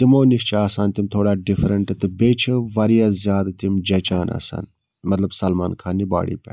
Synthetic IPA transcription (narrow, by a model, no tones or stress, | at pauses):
t̪imoːniʃt͡ʃʰaːsaːnt̪imt̪ʰoːɽaːɖifɾɐɳʈɨt̪ɨbeːt͡ʃʰɐʋɐɾijazjaːd̪t̪imd͡ʒɐt͡ʃaːnɐ̰sa̰ːn | mɐt̪lɐbsɐlma̰ːnkʰaːniba̰ːɽḭːpʲɐ̰ː